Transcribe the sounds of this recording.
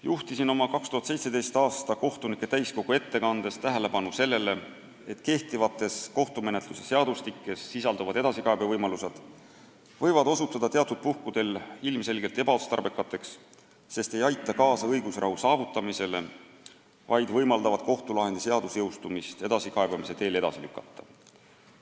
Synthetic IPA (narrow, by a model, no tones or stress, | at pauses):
juht̪isino̞mɑkɑkst̪uɦɑt̪se̞jt̪se̞d̪e̞jst̪ɑːst̪ɑko̞ht̪unikːˑe̞t̪æjsko̞ɡ̥ue̞t̪ːe̞kɑnd̪̥e̞st̪æɦele̞pɑnuse̞lːe̞le̞ | et̪ke̞ht̪ivɑt̪ːˑe̞sko̞ht̪ume̞ne̞t̪luse̞se̞ɑd̪̥ust̪ikːe̞sːisɑld̪uvɑd̪e̞d̪̥ɑsikɑe̞bevɤjmɑluse̞d̪̥ | vɤjvɑd̪̥o̞sut̪ːˑɑd̪ɑt̪eɑt̪ːˑud̪̚puhkud̪̥e̞lilmse̞lɡe̞lt̪e̞b̥ɑost̪ɑ̰rbe̞kːˑɑt̪ːˑe̞ksː | e̞st̪e̞jɑjt̪ːˑɑkɑːsɑɤjɡ̥usrʔɑ̰ɦusɑːvut̪ːˑɑmise̞le̞ | vɑjd̪vɤjmɑld̪ɑvɑd̪̥̚ko̞ht̪ulɑɦe̞nd̪ise̞ɑd̪̥usjɤwst̪umist̪e̞d̪̥ɑsikɑeb̥ɑmise̞t̪e̞ːle̞d̪ɑ̰silykːˑɑt̪ˑːɑ̥